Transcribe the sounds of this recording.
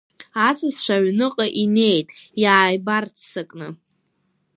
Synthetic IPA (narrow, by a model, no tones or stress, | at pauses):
asɨsʃʷaɥnɨqʼaʔine̞jtʼjaːjbart͡sʰsɨkʼnɨ